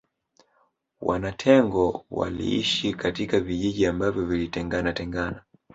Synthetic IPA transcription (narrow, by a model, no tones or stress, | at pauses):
wa̰natʰɛŋɡɔwa̰lḭḭʃikatikaviʄiʄiambavjɔvilitɛŋɡanatɛŋɡana